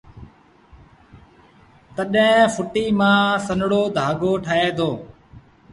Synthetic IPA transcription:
t̪əɗɦɪ̃fʊʈiːmãːsənɽoːd̪ʱaːɡoːʈʰəɦeːd̪oː

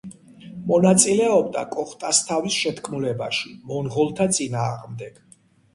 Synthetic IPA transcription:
mɔnat̪sʼilɛɔbd̪a̰kʼɔχt̪ʼast̪ʰavisʃɛt̪ʰkʰmulɛba̰ʃimɔnʁɔlˠt̪ʰat̪sʼinaːʁmd̪ɛɡ̥

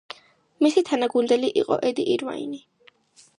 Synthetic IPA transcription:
misit̪ʰanaɡund̪ɛliʔiqʼɔ̰ʔɛd̪iʔiɾva̰ḭni

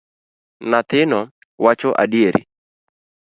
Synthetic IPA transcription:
nat̪ɪnɔ | wat͡ʃɔʔa̰dieɾḭ

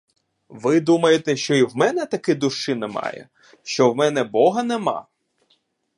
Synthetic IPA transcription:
ʋɪd̪umɐjet̪eʃt͡ʃɔiwmɛnɛt̪ɐkɪd̪ʊʃɪnemɑ̰jɛ̰ | ʃt͡ʃɔwmɛnɛbɔɦɐnemɑ̰

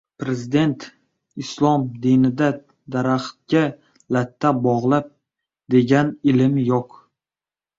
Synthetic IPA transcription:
pɾe̞zɪd̪e̞nt̪ | ɪslˠɒmd̪inɪd̪a | d̪aɾaχt̪̚ɡʲa | lat̪ʰːabɒʁlˠap̚ | d̪e̞ɡʲanɪlɪmjoq

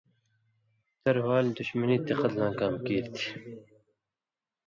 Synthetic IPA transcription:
t̪ɐɾwaːld̪ʊɕmɐniːt̪ːeqɐt̪lãːkaːmkiːɾt̪ʰi̥

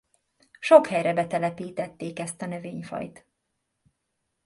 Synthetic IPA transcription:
ʃo̞khɛjrɛbɛt̪ɛlɛpiːt̪ɛt̪ːeːkɛst̪ɒnøveːɲfɒ̰jt̪

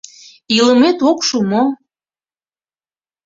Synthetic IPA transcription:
iləmet̪okʃumo

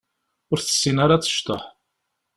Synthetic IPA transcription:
ʊɾθə̥sːinaɾat͡sːə̥ʃt̪ə̰ħ

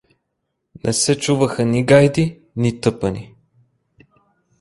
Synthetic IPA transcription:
nʔɛ̰sɛt͡ʃuvəxəniɡajd̪i | nit̪ɤpəni

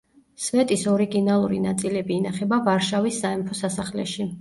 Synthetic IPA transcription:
svɛt̪ʼisɔɾiɡinalˠuɾḭnat̪sʼilɛbiːnaχɛbavaɾʃavisːaɛmpʰɔsasaχlɛ̰ʃi

